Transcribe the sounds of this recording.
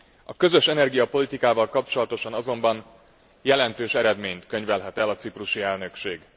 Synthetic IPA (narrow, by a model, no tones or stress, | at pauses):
ɒkø̞zø̞ʃɛnɛrɡijɒpo̞lit̪ikaːvɒlkɒp̚t͡ʃo̞lɒt̪o̞ʃɒnɒzo̞mbɒn | jɛlɛnt̪øːʃɛɾɛd̪meːɲt̪kø̞ɲvɛlɦɛt̪ɛlɒt̪sipruʃiɛlnø̞kʃeːɡ